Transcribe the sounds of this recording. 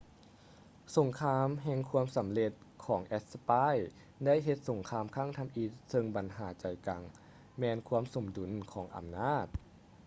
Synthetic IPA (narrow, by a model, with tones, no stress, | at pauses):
so˨˩˦ŋkʰaː˧˥mɦɛ˧ŋkʰu˧əmsa˩˦mle˧t̪̚kʰɔː˩˦ŋʔɛ˦˥t̪̚sa˧paː˥˩˨j | da˥˨jɦe˧˦t̪̚so˨˩˦ŋkʰaː˧mkʰaː˥˩˨ŋt̪ʰa˧mʔi˧t̪̚sɤ˧ŋba˨nɦaː˩˦t͡ɕa˨˩jka˨˧ŋ | mɛː˧nkʰu˧˥əmso˨˩˦mdu˨˩˦nkʰɔː˩˦ŋʔa̰˨˧˩mnaː˥˩t̪̚